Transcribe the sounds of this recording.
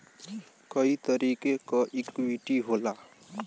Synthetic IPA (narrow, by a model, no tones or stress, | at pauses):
kʌit̪ɔɾikekɔʔikiʈiɦola